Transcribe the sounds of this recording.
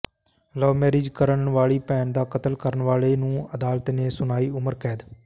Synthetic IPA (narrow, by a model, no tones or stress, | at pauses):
lɔːmɛːɾɪːd͡ʒkəɾənɳʋaːɭiːpɛːnd̪aːkət̪əlkəɾəɳʋaːleːnũːəd̪aːlt̪neːsʊnaːiːʊməɾkɛːd̪